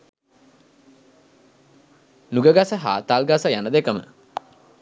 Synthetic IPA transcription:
nuɡəɡasəɦa̰ːt̪alɡasəjanəd̪ekəmə̰

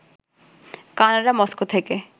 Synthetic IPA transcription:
kanaɾamɔskot̪ʰeke

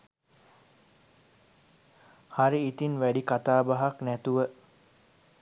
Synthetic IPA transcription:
haɾiːt̪inʋæɖikat̪aːbaɦaknæt̪uʋə

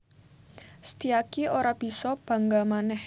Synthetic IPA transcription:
st̪iakioɾab̥i̤sɔb̥a̤ŋɡamanɛh

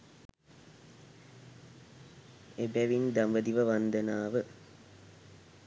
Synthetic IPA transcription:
ebæʋind̪ɐmbəd̪iʋəʋɐnd̪ɐnaːʋə

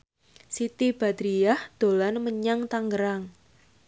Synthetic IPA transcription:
sit̪ib̥a̤d̪̥ɾijahd̪̥o̤lanməɲaŋt̪aŋɡəɾaŋ

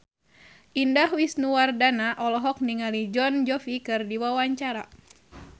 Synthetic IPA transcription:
ʔindahwisnuwardanaʔɔlɔɦɔk̚niŋalid͡ʒɔnd͡ʒɔfikɨrdiwawaɲt͡ʃaɾa

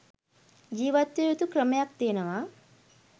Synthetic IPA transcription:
d͡ʒiːʋɐt̪ːejut̪ukɾɐmjak̚t̪eːnɐʋa

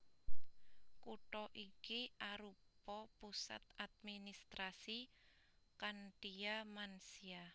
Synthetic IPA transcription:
kuʈɔʔikiʔaɾupɔpusa̰t̪ad̪̚minist̪ɾasi | kaɳɖiamansia

